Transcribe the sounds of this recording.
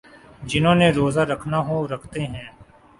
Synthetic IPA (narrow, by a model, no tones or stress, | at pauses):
d͡ʒɪnõːneɾoːzaːɾəkʰnaɦoɾɐkʰt̪eɦɛ̃ː